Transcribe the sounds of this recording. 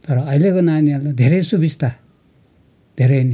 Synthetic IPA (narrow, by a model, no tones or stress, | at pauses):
t̪ʌɾʌʌilekonanialtad̪ʱeɾʌjsubist̪ʰa | d̪ʱeɾʌni